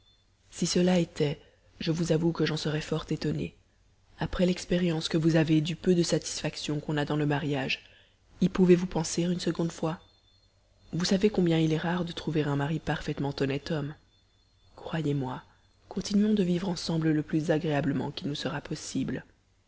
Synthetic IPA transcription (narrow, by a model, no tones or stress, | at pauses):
sisəlaet̪ɛ | ʒəvuzavukəʒɑ̃səʁɛfɔʁt̪et̪ɔne | apχɛlɛkspeʁjɑ̃skəvuzaved̪ypød̪əsat̪i̥sfaksjɔ̃kɔ̃nad̪ɑ̃ləmaʁjaʒ | ilpuvevupɑ̃seʁynsəɡɔ̃d̪fwa | vusavekɔ̃bjɛ̃ilɛʁaʁd̪ət̪χuveʁɛ̃maʁipaʁfɛt̪mɑ̃t̪ɔnɛt̪ɔm | kχwajemwa | kɔ̃t̪inɥɔ̃d̪əvivʁɑ̃sɑ̃blələplyzaɡʁeabləmɑ̰̃kʲilnusəʁapʰɔsibl